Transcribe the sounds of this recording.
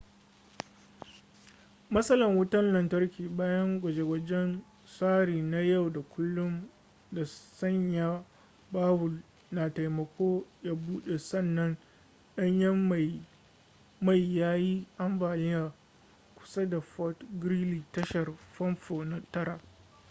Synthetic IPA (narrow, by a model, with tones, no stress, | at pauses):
mɐ˦sɐ˦lɐ˨ŋwʊ˦tɐ˦nlɐ˨ntɐ˦rkʲiː˨baː˦jɐ˦ŋɡʷɐ˨d͡ʒe˨wɐ˦d͡ʒɛ˦n | saː˦ɽiː˨na˦ja˦˨wda˨kʷʊ˦lːʊ˦m | da˨sɐ˦ɲjaː˨ | baː˦wʊ˨l | na˨ta˨jmɐ˨kʷoː˦jaː˦buː˦ɗe˨sɐ˦˨nːɐ˦n | ɗɐ˦ɲjɐ˦m˨ | ma˦˨jjaː˦ji˦ʔa˦mbaː˨nɪ˦jaː˨ | kʷʊ̥˨˦sa˦da˨ɸɔ˦tɡɾi˦liː˨tɐ˦ʃɐ˨rɸɐ˦mɸoː˨na˦tɐ˦ɾa˨